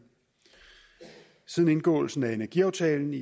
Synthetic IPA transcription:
siðˠn̩e̝nɡ̥ɔ̰̽ːl̩sn̩æe̝næɐɡ̥iɑ̈ʊt͡sʰɛːln̩i

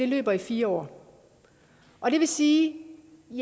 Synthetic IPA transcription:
e̝lø̰ːb̥ɐifiːɐɒ̰ː | ʔɒ̽ɾ̥e̝ʋe̝siː | j

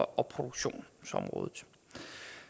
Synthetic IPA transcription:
ʔɒ̽pʰʁo̝d̥uɡ̥ɕo̝̰ːnsɒ̽mʁɔ̽ːðˠð̩ˠ

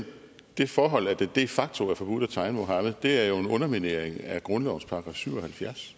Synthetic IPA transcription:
d̥e̝fɒːɦɒ̽l̰æɐd̥ed̥e̝fɑ̈ɡ̥̚t͡sʰo̝æɐfɒ̽b̥ud̥æt͡sʰɑ̈ɪnmo̝ɦɑ̈mð̩ˠd̥e̝æɐjo̝e̝nɔ̽nɐmine̝ɐ̰eŋæɡ̥ʁɔ̽nlɒʊnspʰɑ̈ɡ̥ʁɑ̈fsyʊ̰ɒ̽hælfjæɐs

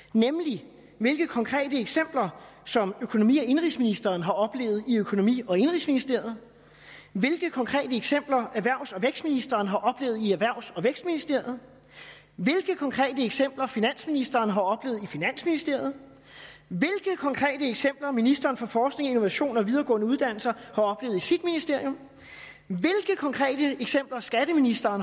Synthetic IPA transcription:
nemli | ʋe̝lɡ̥əkʰɒ̽ŋkʰʁɛ̰ːdəeɡ̥sem̰b̥lɐsɒ̽møkʰo̝no̝mḭːɒ̽e̝nʁisminisd̥ɐːnɦɑ̈ɒ̽b̥le̝̰ːʊð̩ˠiøkʰo̝no̝mḭːɒ̽e̝nʁḭːsminisd̥e̝ɐ̰jð̞̩ˠ | ʋe̝lɡ̥əkʰɒ̽ŋkʰʁɛ̰ːd̥əeɡ̥sem̰b̥lɐʔæʋæɐ̰ʊ̰sɒ̽ʋeɡ̥sd̥minisd̥ɐːnɦɑ̈ʔɒ̽b̥le̝ːð̞̩ˠiæʋæɐ̰ʊ̰sɒ̽ʋeɡ̥sd̥̚minisd̥e̝ɐ̰jð̩ˠ | ʋe̝lɡ̥əkʰɒ̽ŋkʰʁɛ̰ːd̥əeɡ̥sem̰b̥lɐfinæn̰sminisd̥ɐːnɦɑ̈ɒ̽b̥le̝ːðˠifinæn̰sminisd̥̝ɐ̰jð̞̩ˠ | ʋe̝lɡ̥əðkʰɒ̽ŋkʰʁɛ̰ːd̥əeɡ̥sem̰b̥lɐminisd̥ɐːnfɒ̽fɒːsɡ̥ne̝ŋɒino̝ʋæɕo̝̰ːnɒ̽ʋið̞ˠɐːɡ̥ɔ̰̽ːnəuð̞ˠd̥æn̰l̩sɐhɑ̈ɒ̽b̥le̝ːʊð̩ˠisid̥minisd̥e̝ɐ̰jo̽m | ʋe̝lɡ̥əkʰɒ̽ŋkʰʁɛ̰ːd̥əeɡ̥sem̰b̥lɐsɡ̥æd̥əminisd̥ɐːn

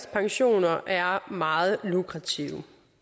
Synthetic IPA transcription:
spʰɑ̈ŋɕo̝̰ːnɐʔæɐmɑ̈ːð̞̩ˠlukʰʁɑ̈t͡sʰiʊ

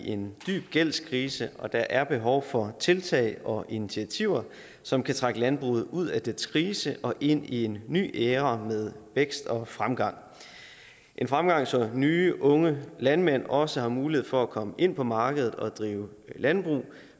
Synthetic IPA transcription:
ʔe̝nd̥y̰ːb̥̚ɡ̥el̰skʰʁiːsəʔɒ̽d̥ɑ̈ʔæɐb̥e̝ɦɒʊfɒ̽t͡sʰe̝lt͡sʰɛ̰ɪɒ̽ʔinit͡sʰiæt͡sʰiʊ̰ɐ | sɒ̽mkʰæt͡sʰʁaɡ̥əlænb̥ʁṵːð̩ˠuð̰ˠæd̥enskʰʁiːsəʔɒ̽ʔe̝n̰ie̝nːy̰ːʔeːʁɐmeð̞ˠʋeɡ̥sd̥ɒ̽fʁamɡ̥ɑ̈ŋ̰ | ʔe̝nfʁamɡ̥ɑ̈ŋ̰sɒ̽nyːʔɔ̽ŋəlænmen̰ɒ̽səɦhɑ̈muːlie̝ð̰ˠfɒ̽ækʰɒ̽məʔe̝n̰pʰɒ̽mɑ̈ːɡ̥əð̞ˠð̩ˠɒ̽d̥ʁiːʊ | lænb̥ʁṵː

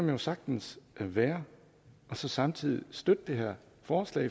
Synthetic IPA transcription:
ɒ̽mjo̝sɑ̈ɡ̥̚d̥n̩sæʋæːɐ | ɒ̽sɒ̽sɑ̈mt͡sʰið̰ˠisd̥ød̥əd̥e̝ɦeɐ̰ | fɒːslɛ̰ɪ

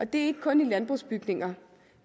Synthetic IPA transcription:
ɒ̽d̥e̝æɐe̝ɡ̥ə̥kʰɔ̽nilænb̥ʁusb̥yɡ̥ne̝ŋɐ

